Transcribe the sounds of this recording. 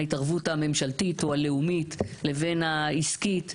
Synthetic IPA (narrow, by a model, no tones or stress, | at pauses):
itaʁvutame̞mʃaltitoale̞umitle̞ve̞nhaiskit